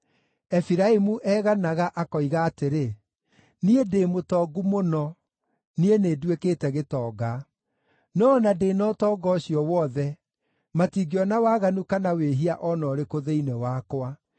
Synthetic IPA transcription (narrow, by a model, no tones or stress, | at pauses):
ɛfiɾaimuʔɛːɣanaɣaʔakɔiɣaːteɾe | niedeːmotɔːɡumonɔ | nieneːdwekeːtɛɣetɔːɡa | nɔnadeːnɔtɔːɡɔɕiɔwɔðɛ | matiɡeɔnawaːɣanukanaweɦiaʔɔnɔːɾekoðeinɛwaːkwa